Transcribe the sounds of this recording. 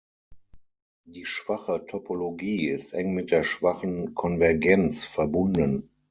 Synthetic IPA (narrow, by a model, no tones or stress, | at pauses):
d̥iːʃv̥aχətʰɔpʰoloɡiːɪstʔɛŋmɪt̚d̥eːɐʃv̥aχən̩kʰɔnvɛɐɡɛnt͡sfɛɐbʊndən